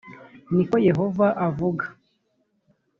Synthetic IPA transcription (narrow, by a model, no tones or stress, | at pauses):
niko̞je̞ɦo̞vaʔavuɡḁ